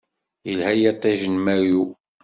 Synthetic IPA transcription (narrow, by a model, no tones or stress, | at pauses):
jəlhæjæt̪ˤːæʒənmæju